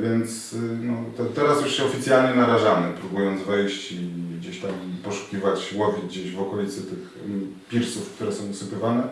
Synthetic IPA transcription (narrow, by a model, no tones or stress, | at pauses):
vʲjɛnt̪snɔt̪ɔt̪ɛɾasjuʂɕɛɔfʲit̪sʲjalɲɛnaɾaʐamɘpɾubujɔnd̪zvɛjɕt͡ɕiɡd͡ʑeɕt̪ampɔʂu̥kʲivat͡ɕwɔvʲiɡd͡ʑeʑvɔkɔlʲit̪sɛt̪ɘx | pʲiɾsufkt̪uɾɛsɔ̃w̃usɘpʲivanɛ